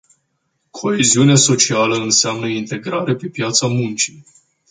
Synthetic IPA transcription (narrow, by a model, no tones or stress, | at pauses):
kʰo̞eziuneaso̞t͡ʃialəɨnseamnəint̪e̞ɡɾaɾe̞pe̞pjat̪samunt͡ʃi